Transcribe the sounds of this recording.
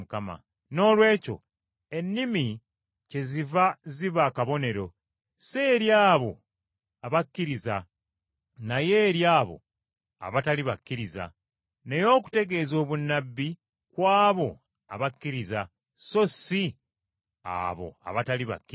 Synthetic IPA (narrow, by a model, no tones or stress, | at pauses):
ukama̰ | no̞ːlwe̞ːco̞̰ | e̞nːimi | ce̞zivaziβakaβo̞ne̞ɾo̞ | se̞ɾjaːβo̞ | aβakːiɾiza | najeːɾjaːβo̞̰ | a̰βataliβakːiɾiza̰ | ne̞jo̞ːku̥te̞ɡe̞ːzo̞ːβunːabːi | kwaːβo̞ | a̰βakːiɾiza | so̞si | a̰βo̞̰a̰βataliβa̰kːi